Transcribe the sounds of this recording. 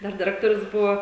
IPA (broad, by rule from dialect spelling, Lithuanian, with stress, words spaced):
ˈdɐr dʲɪˈrʲæːktoːrʲʊs ˈbʊʋoː